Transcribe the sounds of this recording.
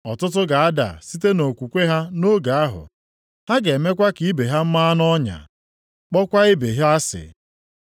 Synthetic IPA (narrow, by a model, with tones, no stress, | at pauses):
ɔ˨tʊ˦t̬ʊ˦ɡa˨a˦da̰˨si˦te˦no˨kʷu˨kʷe˦ɦa˦no˦ɡa˨a˦ɦʊ̰˨ | ha˦ɡe˨me˦kʷa˦ki˨˦be˨ɦa˦m̩˦ma˦nɔ˦ɲa̰˨ | k͡pɔ˦kʷa˦e˦be˨ɦa˦a˦sɪ̰˨